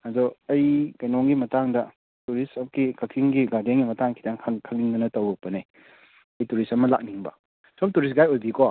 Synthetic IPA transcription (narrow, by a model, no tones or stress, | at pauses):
hazoɐjkɐjnɔŋɡimɐtaŋdɐ | tuɾiskikɐkʰiŋɡiɡadeŋɡimɐtaŋkʰi̥danʰkʰɐkniŋdɐnɐtɐwɾɔk̚pɐne | ɐjtuɾisɐmɐla̰k̚niŋbɐ̰ | somtuɾis̬ɡajojbikɔ